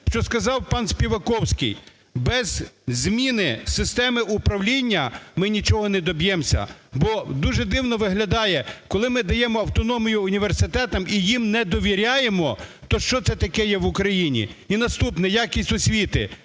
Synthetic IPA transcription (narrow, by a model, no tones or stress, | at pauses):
ʃt͡ʃɔskɐzɑwpɑnsʲpʲiʋɐkɔwsʲkɪ̰j | bɛzzmʲinɪsɪst̪ɛmɪʔupɾɐwlʲinʲːɐmɪnʲit͡ʃɔɦɔnɛd̪ɔbjɛmsʲɐ̰bɔd̪uʒɛd̪ɪwnɔʋɪɦlʲɐd̪ɑjɛkɔlˠɪmɪd̪ɐjɛmɔɐwt̪ɔnɔmʲijʊːnʲiʋersɪt̪ɛt̪ɐmijimnɛd̪ɔʋʲiɾʲajemɔt̪ɔʃt͡ʃɔt̪sɛt̪ɐkɛjɛʋʊkɾɐjinʲḭinɐst̪upnɛjakʲisʲtʲɔsʲʋʲit̪ɪ̰